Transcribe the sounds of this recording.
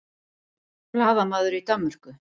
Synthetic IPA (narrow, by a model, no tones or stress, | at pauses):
laːðamaːðʏɾit̪amːʏɾ̥kʏ